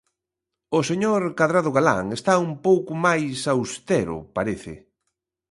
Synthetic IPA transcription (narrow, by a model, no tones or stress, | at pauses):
ʊseɲoɾkaðɾaðʊɣala̰ŋest̪aumpowkʊmajsawst̪ɛɾʊ̰paɾeθɪ̰